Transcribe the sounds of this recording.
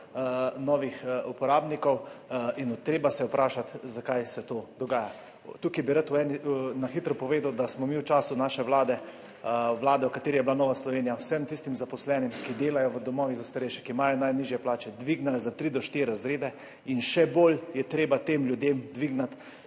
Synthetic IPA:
nɔːʋixupɔɾaːbnikɔwinut̪ɾeːbasɛwpɾʔaːʃat̪zakajsɛt̪oːd̪ɔɡaːja | t̪ukibiɾat̪uɛːninaxit̪ɾɔpɔʋeːd̪awd̪asmɔmiwt͡ʃaːsunaːʃɛʋlaːd̪ɛ | ʋlaːd̪ɛwkat̪eːɾijɛblanɔːʋaslɔʋeːnijawsɛmt̪ist̪imzapɔslɛːnimkid̪eːlajɔʋəd̪ɔmɔːʋiɣzast̪aɾeːʃɛkimajɔnajniʒjɛplaːt͡ʃɛd̪ʋiɡnalzat̪ɾid̪ɔʃt̪iɾɾazɾeːd̪ɛ | inʃɛboljɛt̪ɾeːbat̪eːmljud̪emd̪ʋiɡnat̪

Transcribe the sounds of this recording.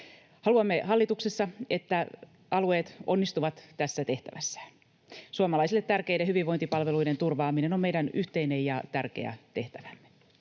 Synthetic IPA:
hɑluɑmːe̞hɑlːit̪uksesːɑet̪ːæ | ʔɑlue̞ːt̪o̞̰nːist̪uʋɑt̪ːæsːæt̪e̞ht̪æʋæsːæ̥ | suɑmɑlɑjsilːe̞t̪tærkejdehyʋiʋo̞nt̪ipɑlʋe̞lujde̞nt̪urʋɑːmineno̞mmejdænyht̪einejɑt̪ærkḛæ̰t̪e̞ht̪æʋæmːe

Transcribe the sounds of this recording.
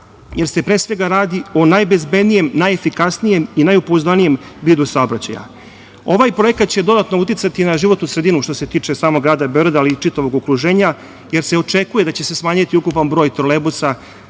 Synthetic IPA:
je̞ɾse̞pɾeːsʋe̞ɡaɾaːd̪ionajbe̞zbe̞d̪nije̞mnajefikasnije̞minajupozanije̞mviːd̪usao̞bɾat͡ɕa̰ja̰ | o̞ʋajpɾo̞jekat̪̚t͡ɕe̞d̪o̞d̪at̪nout̪it̪sat̪inaʒiʋo̞t̪nusɾed̪inuʃt̪o̞se̞t̪iːt͡ʂesaːmo̞ɡɾaːd̪abeo̞ɾed̪alit͡ʃit̪aʋo̞ɡokɾuʒe̞ːɲa | je̞ɾse̞o̞t͡ʂe̞kuje̞d̪at͡ɕe̞se̞smaːɲat̪iukupanbɾo̞ːjt̪ɾolebusa

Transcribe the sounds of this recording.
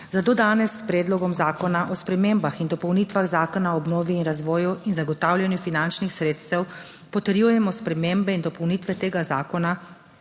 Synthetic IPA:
zad̪od̪aːnɛsːpɾeːd̪lɔɡɔmzaːkɔnaʔɔspɾɛmeːmbaxind̪ɔpɔwnit̪ʋaɣzaːkɔnaɔɔbnoːʋiːnɾazʋɔːjuinzaɡɔt̪aːwlʲjɛnjufinant͡ʃnixsɾeːt̪st̪ɛw | pɔt̪ɛɾjuːjɛmɔspɾɛmeːmbɛind̪ɔpɔwniːt̪ʋɛt̪eːɡazaːkɔna

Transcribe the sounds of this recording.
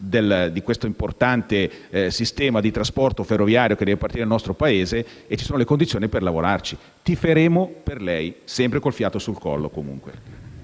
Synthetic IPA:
d̪eld̪ikwest̪oimport̪ant̪esist̪ɛːmad̪it̪ɾaspɔrt̪oferːovjaːɾjoked̪ɛvepart̪iɾed̪lnɔst̪ɾopaeːzeː | t͡ʃːi̥soːnolekond̪it̪sjoːniperlavoɾart͡ʃi | t̪ifeɾeːmoperlɛjsɛmpɾekolfjaːt̪osulkɔ̰lːo̰komṵŋkwe

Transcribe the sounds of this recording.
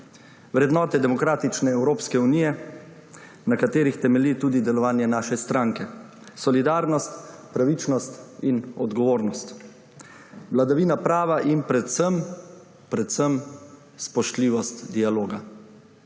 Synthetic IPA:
ʋɾɛd̪nɔːt̪ɛd̪ɛmɔkɾaːt̪it͡ʃnɛɛwɾoːpskɛunijɛ | nakat̪eːɾixt̪ɛmɛlit̪uːd̪id̪ɛlɔʋaːnjɛnaːʃɛst̪ɾaːŋkɛ | sɔlid̪aːɾnɔst̪pɾaʋit͡ʃnɔst̪inɔd̪ɡɔʋoːɾnɔst̪ | ʋlad̪aʋiːnapɾaːʋaʔinpɾɛt̪səm | pɾɛt̪səm | spɔʃt̪liːʋɔst̪d̪ialoːɡa

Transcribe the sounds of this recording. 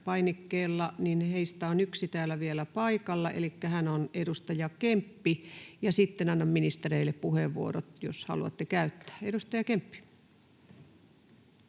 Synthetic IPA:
pɑinikːeːlːɑninheist̪æonyksit̪æːlːˑæʋielæpɑikɑlːɑʔḛlikːæhænonedust̪ɑjɑkempːijɑsit̪ːenɑnːɑmminist̪ereilːeppuheʋʋuo̰rot̪joshɑ̰luɑ̰t̪ːekæyt̪ːæ̥ːedust̪ɑjɑkempːi̥

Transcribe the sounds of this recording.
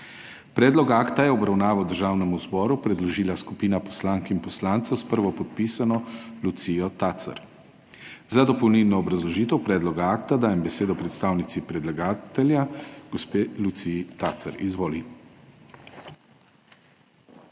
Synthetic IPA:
pɾɛːd̪lɔkaːkt̪ajɛɔbɾawnaːʋawd̪əɾʒaːwnɛmuzbɔːɾupɾɛd̪lɔʒiːlaskupiːnapɔ̥slaːŋkimpɔslaːnt̪sɛwspəɾʋɔpɔt̪̚piːsanɔlut̪sijɔt̪at̪sa̰ɾ | zad̪ɔpɔwnilnɔːbɾazlɔʒiːt̪ɛwpɾɛːd̪lɔɡaaːkt̪ad̪aːjɛmbɛseːd̪ɔpɾɛt̪st̪aːwnit̪sipɾɛd̪laɡaːt̪ɛljaɡɔspeːlut̪sit̪aːt̪sa̰ɾizʋoːli

